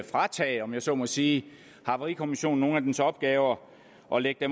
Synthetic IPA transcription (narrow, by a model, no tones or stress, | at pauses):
fʁɑ̈t͡sʰɛ̰ːɒ̽mjɑ̈sɒ̰̽ːmɒsiː | hɑ̈ʋɐʁikʰo̝miɕo̝̰ːn̩no̝ːn̩æd̥ensɒ̽b̥̚ɡ̥ɛːʊɐ | ʔɒ̽leɡ̥̚d̥em